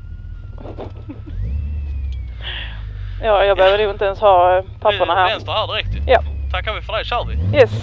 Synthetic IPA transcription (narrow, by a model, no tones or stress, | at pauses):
jɑːjɑːɡbəɛhøːvənʊːɪnt̪əɛnshɑːpʰapːʊɳaɦæːɾɛnst̪ahæːdɪɾɛk̚t̪jat̪ʰakːavɪfəd̪ɛjɕaɾvɪjɛs